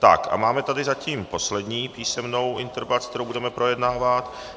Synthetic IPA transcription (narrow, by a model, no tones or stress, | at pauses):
t̪a̰kʔa̰maːmɛt̪adɪzaciːmpo̞slɛdɲiːpiːsɛmno̞wʔɪnt̪ɛɾvat͡skt̪ɛɾowbudɛmɛpɾo̞jɛdnaːvat̪